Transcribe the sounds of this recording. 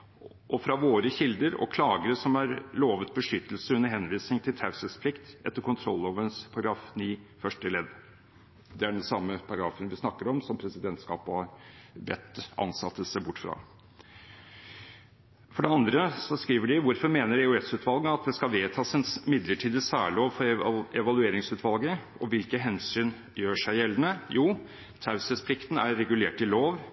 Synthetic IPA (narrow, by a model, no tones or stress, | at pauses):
ʔɔfɾɑʋoːɾəçɪld̪əɾɔ̰kʰlɑːɡəɾəsɔmæɾloːʋət̪̚bəʂʏt̪ːəlsəʉnːəɾɦɛnʋiːsnɪŋt̪ʰɪlt̪ʰaʉsəspʰlɪkt̪ʔɛ̰t̪ːəɾkʰʊnt̪ʰɾɔ̰lːəoːʋəɾənspʰɑɾɑɡɾɑːfniːfœʂʈəlɛd̪ | d̪ɛæɖɛnsɑmːəpʰɑɾɑɡɾɑːfənʋɪsnɑkːəɾɔmsɔmpʰɾɛsɪd̪ɛnt̪skɑ̰ːphɑɾbɛ̰t̪ːʔɑ̰nsɑt̪ːəsæɪbʊʈːfɾɑ̰ː | fɔɖɛɑnd̪ɾəsɔskɾiːʋəɖɪʋʊɾfɔɾmeːnəɾɛʉɛsʉːt̪ʰʋɑlˠɡəɑt̪̚d̪ɛskɑʋeːt̪ʰɑːsɛnmɪd̪ləʈʰiːd̪əsæ̰ːɭɪoːʋfɔɾɛʋɑlʉeːɾɪŋsʉːt̪ʰʋɑlˠɡə | ɔʋɪlkəɦɛnsyːn | jøːʂæɪjɛlːənəjuː | t̪ʰaʉsəspʰlɪkt̪n̩æɾːɛɡʉleːʈɪloːʋ